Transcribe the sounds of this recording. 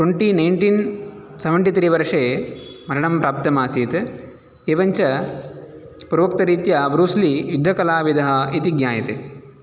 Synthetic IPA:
ʈweɳʈinɐjɳʈinsɐʋɐɳʈit̪ɐɾiːʋɐɾʂeːmɐɾɐɳɐmpɾaːp̚t̪ɐmaːsiːt̪ | eʋɐɲt͡ʃɐ | puɾɐʋɐk̚t̪ɐɾiːt̪jɐbɾuːslijud̪ʱːɐkɐlaːʋid̪ɐɦɐit̪iɡɲaːjɐt̪e

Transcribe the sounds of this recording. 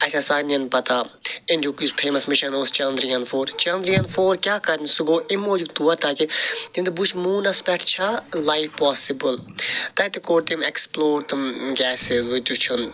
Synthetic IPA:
ɐsʲasaːnɐnpɐt̪aːẽndʲukispʰeːmɐsmɪʃɐnoːst͡ʃɐ̃nd̪ɾijɐ̃nfoːɾt͡ʃɐ̃nd̪ɾijɐnfoːɾkjaːkɐɾnsuɡoːimːoːd͡ʒut̪uːat̪akit̪ĩnd̪ubut͡ʃʰmuːnɐspɛʈʰt͡ʃʰalaifpɔːsibəlt̪ɐt̪ikoːʈt̪ĩmeksploːɾt̪ɐmɡʲɛːsɪzʋud͡ʒ̪ut͡ʃʰun

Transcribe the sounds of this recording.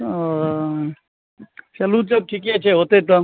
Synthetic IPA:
t͡ʃɐlud͡ʒɐb̚ʈʰik̬ɦet͡ʃʰɛɦoːt̪et̪ɔ

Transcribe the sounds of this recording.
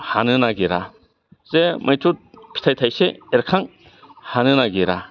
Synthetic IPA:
hanɯnaɡiɾa | zemʔajtut̚pʰi̥tʰajtʰajseeɾkʰaŋ | hanɯnaɡiɾa

